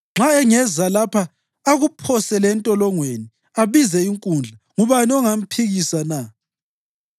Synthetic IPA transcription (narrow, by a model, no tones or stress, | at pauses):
ŋ͡ǁʱaɛŋɛzalapʰaː | ɣupʰɔsɛlɛntʼɔlɔŋweni | aβizɛiŋkʼund͡ɮʱaŋuβaniɔŋam̩pʰiɣisana